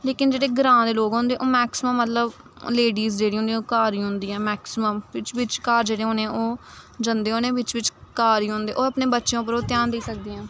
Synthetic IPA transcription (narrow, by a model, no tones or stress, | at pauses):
leːkɪnd͡ʒeːɽeːɡɾãːd̪eːloːɡɦõːnd̪eːʔoːmɛːksɪməmːət̪ləb | leːɖiːzd͡ʒeːɽiːɦõniɛ̃oːkaːɾĩːɦʊ̃nd̪iːɛ̃ːmɛːksɪməmɪt͡ʃʋɪt͡ʃkaːɾd͡ʒeːɽeːɦõːneɛ̃ːoːd͡ʒənd̪eːɦoːnẽːʋɪt͡ʃʋɪt͡ʃkaːɾiːɦõnd̪eːʔoːəpneːbətːʃjõːp̬əɾoːt̪jaːnd̪eːsək̚d̪iːɛ̃ː